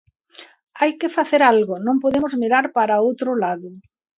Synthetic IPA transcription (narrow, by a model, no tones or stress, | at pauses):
ajkɪfaθeɾalɣonõŋpoðemozmiɾaɾpaɾaowt̪ɾolaðʊ